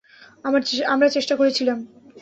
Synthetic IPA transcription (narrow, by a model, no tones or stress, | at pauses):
amɾat͡ɕeʃʈakoɾet͡ɕʰilam